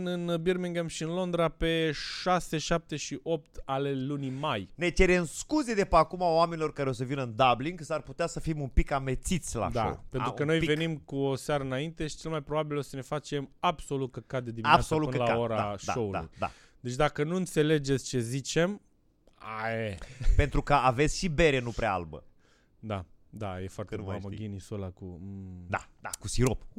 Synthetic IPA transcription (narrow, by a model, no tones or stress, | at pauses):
nɨnbirmiŋɡamʃiɨnlo̞nd̪ɾape̞ʃase̞ʃap̚t̪e̞ʃiʔo̞p̚t̪ale̞lunimajne̞t͡ʃeɾe̞mskuze̞d̪e̞peakumaoame̞nilo̞rkaɾeo̞səvinəɨnd̪abliŋɡsarput̪easəfimumpikamet̪sit̪sʲla̰d̪a̰o̰wpe̞nukəno̞jve̞nimkuoseaɾəɨnaint̪e̞ʃi̥t͡ʃe̞lmajpɾo̞babilo̞səne̞fat͡ʃe̞mabso̞lut̪̚kəkad̪ed̪iaassoluɨnəlaoɾaaʃa̰o̞ula̰ṵjd̪a̰ | d̪e̞t͡ʃʲd̪akənuɨnt̪se̞le̞d͡ʒet̪sʲt͡ʃe̞zit͡ʃe̞m | aepe̞nt̪ɾukəave̞t̪sʲʃibe̞ɾenupɾea̰a̰lbə̰ | d̪ad̪ajefoart̪eeaməɡʲinisolakud̪a̰d̪akusiɾop